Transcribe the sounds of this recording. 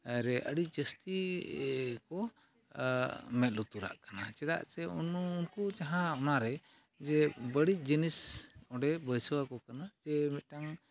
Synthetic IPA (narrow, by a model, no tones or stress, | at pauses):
aɾɛʔəɽic̚ˀd͡ʒəst̪i | kɔ | mɛt̪̚lut̪uɾa̰ʔkana̰t͡ʃɛd̪a̰ʔt͡ʃɛununkut͡ʃaɦãɔnaɾɛ | d͡ʒɛbəɽic̚ˀd͡ʒinisɔɖɛbəjsɔwakɔkanad͡ʒɛmit̪̚ʈaŋ